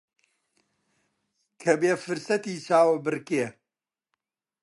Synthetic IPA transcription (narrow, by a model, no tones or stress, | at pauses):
kʰɐbeːfɨɾsɐt̪iːt͡ʃʰaːwɐbɨɾkeː